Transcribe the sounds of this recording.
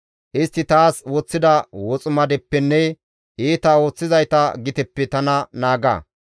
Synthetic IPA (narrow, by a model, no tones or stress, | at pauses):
ʔɪst̪ːɪt̪aːswɔt͡sːɪd̪ɐwɔt͡sʼʊmɐd̪ɛpːɛnːɛ | ʔeːt̪awo̞ːt͡sːɪzɐjt̪ɐɡɪt̪ɛpːɛt̪ɐnɐnaːɡɐ̰